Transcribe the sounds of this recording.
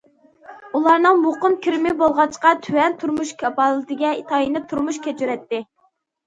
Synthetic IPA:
ulˠɑɾnɨŋmoqʊmkʲʰiɾmɪbolˠʁɑt͡ʃʰqɑt̪ʰywɛnt̪ʰuɾmuʃkʲʰɑpɑlˠɨt̪ʰɪɡʲɛit̪ʰɑinɪp̚t̪ʰuɾmuʃkʲɛt͡ʃʰyɾɛt̪ːɪ

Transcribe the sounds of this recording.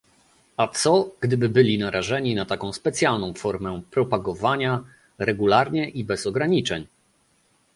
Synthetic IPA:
at̪sɔɡ̥d̪ɘbɘbɘlʲinaɾʔaʐɛɲinat̪akɔ̃w̃spɛt̪sʲjalnɔ̃w̃fɔɾmɛpɾɔpaɡɔvaɲa | ɾɛɡulaɾɲɛʔibɛzɔɡɾaɲit͡ʂɛɲ

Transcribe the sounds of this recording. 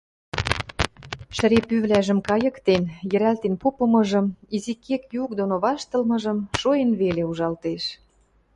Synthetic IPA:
ʃə̆ɾepyβlæʒə̆mkɑjɤ̆kt̪enjə̆ɾælt̪enpopɤ̆mɤ̆ʒɤ̆mizikːekjuk̚d̪onoβɑʃt̪ɤ̆lmɤ̆ʒə̆mʃoenβeleuʒɑlt̪eʃ

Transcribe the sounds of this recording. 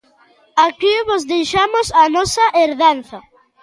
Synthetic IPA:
akiβozðejʃamʊsanɔsɐʔeɾðanθɐ

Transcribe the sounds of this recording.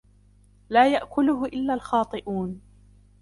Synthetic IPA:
laːjaʔkʊlʊhʊʔɪlːaːlxɑːt̪ˤɨʔuːn

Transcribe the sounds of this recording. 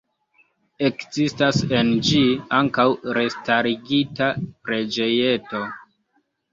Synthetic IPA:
e̞kzistase̞nd͡ʒiaŋkawɾe̞staɾiɡitapɾe̞d͡ʒe̞je̞to

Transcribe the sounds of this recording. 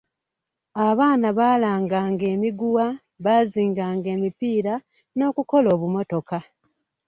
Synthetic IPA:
aβaːnaβaːlaːŋɡaːŋɡe̞ːmiɡuwa | βaːziːŋɡaːŋɡe̞ːmipiːɾa | no̞ːkuko̞lo̞ːβumo̞to̞ka

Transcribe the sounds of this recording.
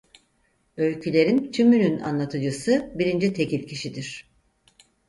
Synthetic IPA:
ølʲcʰylʲe̞ɾint̪ʰymynyna̰nlˠat̪ʰɯd͡ʒɯsɯbiɾind͡ʒit̪ʰe̞cilʲcʰiʃid̪iɾ̥

